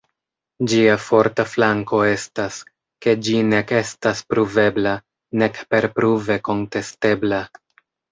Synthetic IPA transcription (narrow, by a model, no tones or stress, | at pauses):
d͡ʒiafo̞ɾtaflaŋko̞e̞stas | ke̞d͡ʒine̞ke̞staspɾuve̞bla | ne̞kpe̞ɾpɾuve̞ko̞nte̞ste̞bla